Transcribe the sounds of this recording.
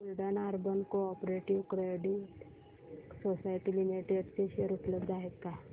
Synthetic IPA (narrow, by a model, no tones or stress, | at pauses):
ulɖənaɾbənkoɔpɾeʈiʋkɾeɖiʈ | sosajʈilimiʈeɖt͡ɕeʃeɾupləbd̪aɦet̪ka